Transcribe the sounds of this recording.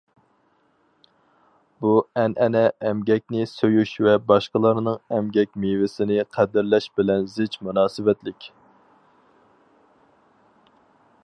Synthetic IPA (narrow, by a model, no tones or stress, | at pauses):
b̥uɛnʔɛnɛɛmɡʲɛk̚ʲnɪsøjyʃvɛbɑʃqəlˠɑɾnɨŋɛmɡʲɛkʲmivɪsɪnɪqʰæd̪ɪɾlɛʃbɪlɛnzɪt͡ʃmunɑːsɨvɛt̪lɪkʲ